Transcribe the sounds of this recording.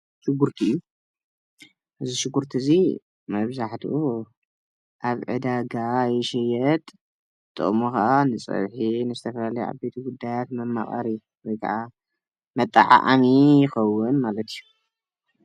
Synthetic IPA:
ʃɪɡuɾt̪ʰiɨjːu | ʔɨziʃɨɡːuɾt̪ʰizi | mɐβzaħt̪ʰuʔu | ʔaβʕɨ̰d̪aɡajɛʃɛjɛt̪ʼ | t̪ʼːɨ̰mokaʔanɨt͡sʼɐ̰βħinɨzɨt̪ʰɐfɐlalɐjʔa̰bet̪ʰiɡud̪ːajat̪mɐmːaχʼɐ̰ɾi | wɔjkʰa̰ʕʔa | mɐt̪ʼːa̰ʕa̰ʔamijɪxɐwːʊnmalɐt̪ʰiju

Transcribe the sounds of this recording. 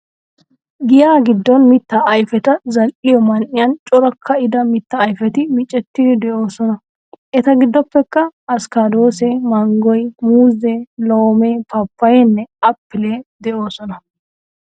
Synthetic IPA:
ɡɪjaːɡɪd̪ːɔnmɪt̪ːɐʔɐjfɛt̪ɐzɐlʔɪjɔmɐnʔɪjɐnt͡ʃʼɔɾɐkʰːɐɪd̪ɐmɪt̪ːɐːjfɛt̪ɪmɪt͡ʃʼːɛt̪ːɪd̪ɪd̪ɛʔo̞ːsɔnɐ | ʔɛt̪ɐɡɪd̪ːɔpːɛkːɐɐskad̪o̞ːsɛmɐŋɡɔjmuːzelo̞ːmeːpɐpːɐjɛnːɛɐpːɪleːd̪ɛʔo̞ːsɔnɐ

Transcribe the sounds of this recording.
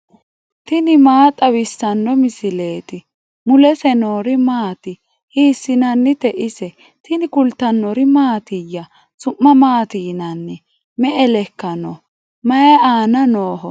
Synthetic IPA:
t̪ɪnɪmaːt̪ʼɐwɪsːɐnːɔmɪsɪle̞ːt̪ɪ | mʊlɛsɛno̞ːɾɪmaːt̪ɪ | hiːsːɪnɐnːɪt̪ɛʔɪsɛ | t̪ɪnɪkʊlt̪ːɐnːɔɾɪmaːt̪ɪjːɐ | sʊmːɐmaːt̪iːnɐnːɛ | mɛʔɛlɛkːɐnɔ | mɐjɐaːnɐnoːɦɔ

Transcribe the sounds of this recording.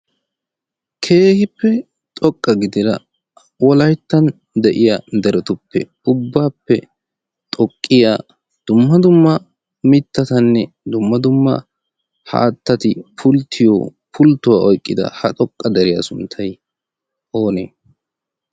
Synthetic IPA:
kʰe̞ːhɪpːɛ | t̪ʼɔkʼːɐɡɪd̪ɪɾɐ̰ | wɔlɐjt̪ːɐn | d̪ɛʔɪjad̪ɛɾɛt̪ʊpːɛ̰ | ʊbːaːpːɛ | t̪ʼɔkʼːɪjaː | d̪̥ʊmːɐd̪ʊmːɐ | mɪt̪ːɐt̪ɐnːɛ | d̪ʊmːɐd̪ʊmːɐ̰ | ha̰ːt̪ːɐt̪ɪpʰʊlt̪ʰːɪjo̰ː | pʰʊlt̪ːʊwaːʔɔjkʼːɪd̪ɐ̰hɐt̪ʼɔkʼːɐd̪ɛɾɪjasʊnt̪ʰːɐj | ʔo̞ːnḛː

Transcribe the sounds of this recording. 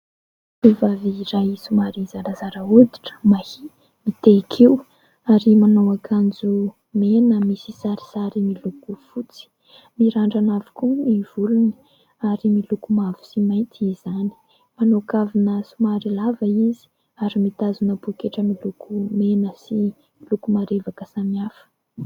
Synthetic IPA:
ivaviːɾajisumaɾizaɾazaɾəud̪i̥ʈ͡ʂə̥mahi | mit̪ekʰiw | aɾimanowakʰand͡zu | menəmisisaɾi̥saɾimilukufut͡si̥ | miɾaɳɖ͡ʐanavi̥kumiv̥uluni | aɾimilukumavu̥simajnt̪ʰizani̥ | manokavinəsumaɾilavəizi̥ | aɾimit̪azunəpukeʈ͡ʂəmilukʰumenəsi | milukumaɾevakəsaniafə̥

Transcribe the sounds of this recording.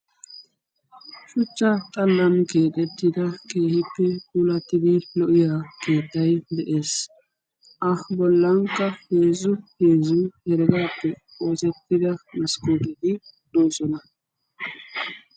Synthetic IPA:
ʃʊt͡ʃːɐt̪ʼɐlːɐmke̞ːt̪ʼɛt̪ːɪd̪ɐke̞ːhɪpːɛkʼuːlɐt̪ːɪd̪ɪlɔʔɪjaːke̞ːt̪ːɐjd̪ɛʔe̞ːs | ʔɐbɔlːɐŋkːɐheːzʊhe̞ːzʊhɛɾɡaːpːɛ | o̞ːsɛt̪ːɪd̪ɐmɐskuːt̪ɛd̪ɪd̪̥o̞ːsɔnɐ

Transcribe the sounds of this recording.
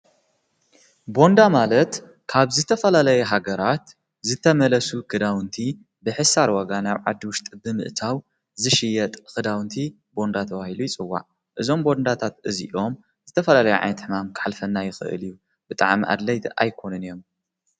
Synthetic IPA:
bo̞nd̪amalɐt̪ | kʰaβzɨt̪ʰɐfɐlalɐjɛɦaɡɐɾat̪ | zɨt̪ʰɐmɐlɐsukʰɨd̪awɨnt̪ʰi | bɨħɨsaɾwaɡanaβʕa̰d̪ːiwʊʃt̪ʼibɨmɨ̰ʔt̪ʰaw | zɨʃɪjːɛt̪ʼkɨd̪awnt̪ʰi | bo̞nd̪at̪ʰɐwahilujɪt͡sʼɨwːa̰ʕ | ʔɨzo̞mbo̞nd̪at̪ʰat̪ʔɨzḭʔo̞m | zɨt̪ʰɐfɐlalɐjɛʕa̰jnɐt̪ħɨmamkʰɨ̥ħalfɐnːajɪxɨ̰ʔɨ̰liju | b̥ɨt̪ʼa̰ʕmiʔa̰d̪lɐjt̪a̰jkʰo̞nɨnijo̞m

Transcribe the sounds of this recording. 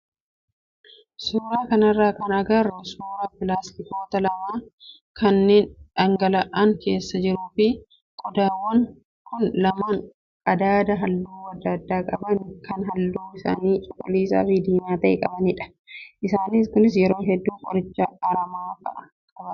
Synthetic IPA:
suːɾaːkɐnɐrːaːkɐnɐɡɐrɐsuːɾɐpɪlaːst̪ɪt̪o̞ːt̪ɐlɐmaː | kʰɐnːeːnᶑɐŋɡɐlɐʔɐŋke̞ːsːɐd͡ʒɪɾuːfɪ | kʼɔd̪aːwːɐŋ | kʊnlɐmaːŋ | kʼɐd̪aːd̪ɐɦɐlːuːwɐd̪ɐd̪ːaːkʼɐbɐnkɐnɦɐlːuːɪsa̰ːniːt͡ʃʼʊkʼʊliːsa̰ːfɪd̪iːmaːt̪ɐʔɛ̰kʼɐbɐnɪᶑɐ̥ | ʔɪsaːniskʊnɪs̬jɛɾo̞ːɦɛd̪ːuːkʼɔɾɪt͡ʃːɐɐɾɐmaːfɐ̰ʔɐ | kʼɐbɐ

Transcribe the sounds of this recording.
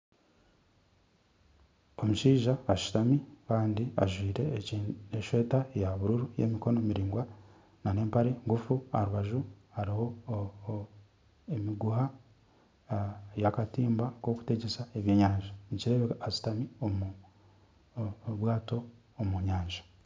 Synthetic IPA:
o̞muʃiːʒaːʃu̥tamikaːndia̰ʒwiːɾe̞eʃwe̞ːtajaβuɾuɾujḛmiko̞nomiɾiːŋɡwa | nane̞ːmpaɾe̞ŋɡufuaɾuβaʒuhaɾiho̞ | emiɡuha | jakatiːmbako̞ku̥te̞ɟesaeβje̞ːɲaːɲʒaniciɾe̞ːβekasu̥tamiomu | βwaːto̞ː | muɲaːɲʒḁ

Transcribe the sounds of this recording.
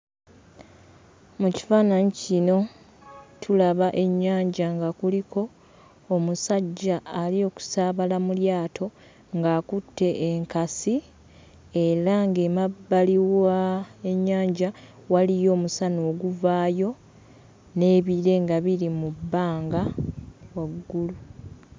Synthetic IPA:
muci̥faːnaɲicino̞ | tʰulaβaʔe̞ɲːaːɲɟaŋɡakulikʰo̞ː | musaɟːaːlio̞ːku̥saːβalamuljaːtʰo̞ | ŋɡaːkutːe̞ʔːŋkasi | e̞ɾaŋɡemabːaliwaeɲːaːɲɟa | walijo̞ːmusano̞ːɡuvaːjo̞ | ne̞ːβiɾe̞ŋɡaβiɾimubːaːŋɡawaɡɡːulu

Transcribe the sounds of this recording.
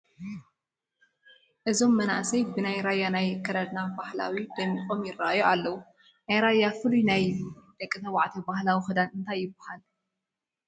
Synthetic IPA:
ʔɨzo̞mːɐna̰ʔsɐjbɨnajɾajːanajkʰːɐɾɐd̪nabahla̰wid̪̥ɐmːixʼo̞mjɪrːaʔajoalːɐwu | najɾajːafɨlujnajd̪̥ɐkʼːɨt̪ʰɐwaʕt̪ʰɐbahlawixɨd̪anɨnt̪ʰajːɪbːɐhal

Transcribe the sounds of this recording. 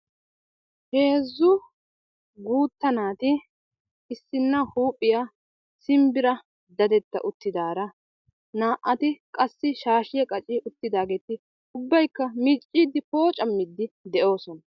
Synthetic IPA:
he̞ːzːʊ | ɡuːt̪ːɐnaːt̪ɪː | sːɪnːɐhuːpʼːɪja | sɪmbɪɾɐ | d̪ɐd̪ɛt̪ːɐ̰ʔʊt̪ːɪd̪aːɾɐ | naːʔɐt̪ɪkʼɐsːɪʃaːʃɪjɐkʼɐt͡ʃʼɪʊt̪ːɪd̪aːɡe̞ːt̪ɪ | ʊbːɐjkːɐmiːt͡ʃʼːiːd̪ɪpo̞ːt͡ʃʼɐmːɪd̪ːɪd̪ɛʔo̞ːsɔnɐ

